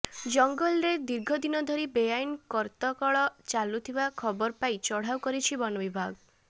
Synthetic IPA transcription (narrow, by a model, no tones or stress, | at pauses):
d͡ʒɔŋɡɔlɾed̪iɾɡʱɔd̪inɔd̪ʱɔɾibejajnkɔɾt̪ɔkɔɭɔt͡ʃalut̪ʰibakʰɔbɔɾpajt͡ʃɔɽ̤awkɔɾit͡ʃʰibɔnɔbibʱaɡ